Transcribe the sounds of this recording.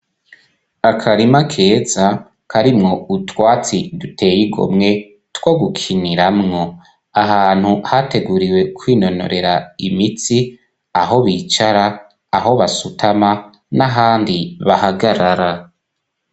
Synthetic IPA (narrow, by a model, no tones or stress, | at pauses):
akʰaɾimakʰe̞ːza | kʰaɾimŋo̞utwaːt͡sidutʰe̞ːjiɡo̞̰mŋe̞ | twoɡukʰiniɾamŋo | aɦaːn̥huhate̞ɡuːɾiwe̞kʰwiːno̞no̞̰ɾe̞ɾaimit͡si | aɦo̞βiːt͡ʃaɾaː | ɦo̞βasutʰama | naɦaːndiβahaɡaɾaɾa